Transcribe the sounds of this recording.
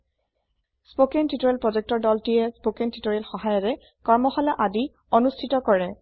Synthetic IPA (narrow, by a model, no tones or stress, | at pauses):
spokentitɔɹelpɹɔzek̚tɔɹdɔltijɛspokentitoɹelxɔɦajɔɹɛ | kɔɹmɔxɔlaʔadi | onustʰitɔkɔɹɛ